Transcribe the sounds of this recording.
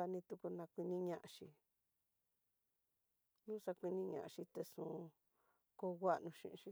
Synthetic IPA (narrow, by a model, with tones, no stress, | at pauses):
a˧nĩ˧t̪u˧ku˧nã˧kʷi˧nĩ˧ɲã˧ʔa˧ʃi˧ | nũ˦sa˧kʷi˧nĩ˧ɲã̰˨ã˧ʃi˧t̪e˧ʂũː˨˧ | ko˧ɣa˦ʔnũ˧ʃḭ̃˧ʔʃi˧